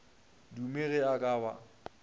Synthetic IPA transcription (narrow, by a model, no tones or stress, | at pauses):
dumeɣɛakʼaːba̰